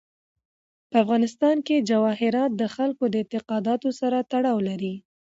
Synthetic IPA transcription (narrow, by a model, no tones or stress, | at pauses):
pəafɣɑnɪst̪ɑnked͡ʒawɑɦɪɾɑt̪̚d̪əxalkod̪əɪnt̪ɪqɑd̪ɑt̪osaɾat̪aɽɑwlaɾi